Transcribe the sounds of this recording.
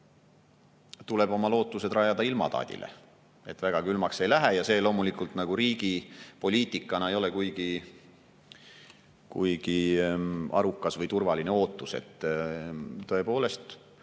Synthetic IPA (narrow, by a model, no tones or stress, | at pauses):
t̪ule̞bo̞mɑlo̞ːt̪ːˑuse̞d̪̥rɑjɑd̪̥ɑilmɑ̰t̪ɑ̰ːd̪̥ʲḭlʔḛ | e̞t̪ːˑvæɡ̥ɑkylmɑkse̞jlæɦejɑse̞ːlo̞ːmulikˑult̪nɑɡ̥uɾiːɡ̥ipo̞lʲiːt̪ːˑikːˑɑnɑejo̞le̞kujɡ̥i | kujɡ̥i | ɑ̰ɾukːˑɑsvɤjt̪urvɑline̞o̞ːt̪ːˑuse̞̰t̪ː | t̪o̞e̞po̞ːle̞st̪